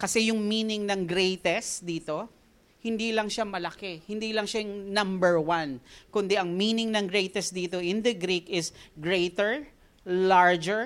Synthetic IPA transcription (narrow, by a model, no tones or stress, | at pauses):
kɐsɛjʊŋmiːnɪŋnɐŋɡɾejt̪ɛsd̪iːt̪o̞ | hɪnd̪iːlɐŋʃamɐlɐkɛhɪnd̪iːlɐŋʃajʊŋnɐ̃mbɛɹwankʊnd̪ɛʔɐŋmiːnɪŋnɐŋɡɾejt̪ɛsd̪iːt̪o̞ʔɪnd̪ɐɡɾikɪsɡɹejt̪ɛɹ | laɹd͡ʒɛɹ